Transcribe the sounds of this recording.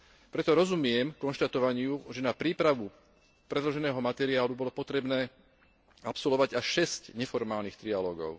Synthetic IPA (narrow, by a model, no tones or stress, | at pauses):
pɾɛt̪ɔɾɔzumɪɛmkɔnʃt̪at̪ɔʋaɲɪuʒɛnapɾiːpɾaʋu | pɾɛd̪lɔʒɛnɛːɦɔmat̪ɛɾiaːlubɔlɔpɔt̪ɾɛbnɛː | apsɔlɔʋaɟaʃɛscɲɛfɔɾmaːlnixt̪ɾialɔːɡɔ̰ʊ